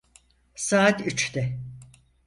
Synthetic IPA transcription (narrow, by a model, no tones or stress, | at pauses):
saːt̪yt͡ʃt̪ɛ